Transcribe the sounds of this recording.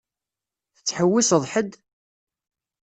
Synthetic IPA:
θə̥t͡sːħəwːisəðˤħəd̪

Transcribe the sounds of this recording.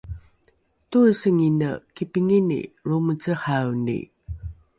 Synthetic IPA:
tusəŋinəkipiŋinḭɹumət͡səhawnḭ

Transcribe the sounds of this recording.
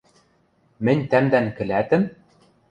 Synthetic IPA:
mɘ̆nʲt̪æmd̪æŋkɘ̆læt̪ɘ̆m

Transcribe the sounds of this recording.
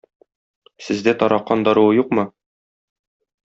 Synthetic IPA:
sɘ̆zd̪æt̪ɒɾɑqːɑnd̪ɒɾuwɤjuqmɤ

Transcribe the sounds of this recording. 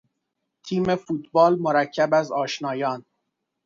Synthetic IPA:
t̪ʰiːme̞fuːt̪bɒːlmoɾæcʰːæbæzɒːʃnɒːjɒːn

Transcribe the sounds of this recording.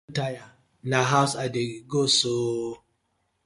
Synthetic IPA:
taja | naɦaʊsadeɡoso

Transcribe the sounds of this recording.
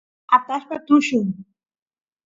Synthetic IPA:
at̪aʃpat̪ʊʃʊŋ

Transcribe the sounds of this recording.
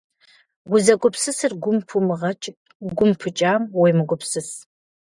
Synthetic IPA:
ɡʷʊzɐkʷʼʊpsɨsɨrɡʷʊmpʰumɨʁɐt͡ʃʼ | ɡʷʊmpʰɨt͡ʃʼaːmwɔjmɨkʷʼʊpsɨs

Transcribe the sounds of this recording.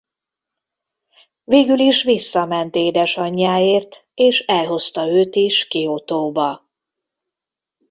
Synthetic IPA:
veːɡyliʃʋisːɒmɛnt̪eːd̪ɛʃɒɲːaːeːrt̪eːʃɛlɦo̞st̪ɒøːt̪iʃkiot̪oːbɒ

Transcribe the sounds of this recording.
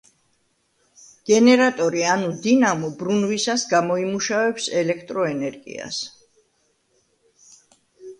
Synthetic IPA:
ɡ̥ɛnɛɾat̪ʼɔɾianud̪inamɔbɾunvisasɡamɔimuʃavɛpsɛlɛkʰt̪ʼɾɔɛnɛɾɡḭa̰s

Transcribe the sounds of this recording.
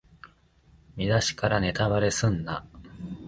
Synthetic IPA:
mʲid̪aɕi̥kaɾane̞t̪aβaɾe̞sɨ̃nːa̰

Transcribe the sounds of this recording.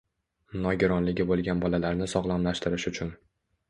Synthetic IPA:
mnɒɡʲɪɾɒnlɪɡʲɪbolˠɡʲanbɒlalaɾnɪsɒʁlˠamlaʃt̪ɪɾɪʃʊt͡ʃʰʊn

